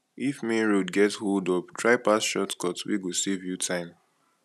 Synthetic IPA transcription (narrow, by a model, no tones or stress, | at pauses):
ifmeɹodɡɛtholdɔptʰɹaɪpasʃɔtkɔtwḭɡosevjutʰãɪ̃m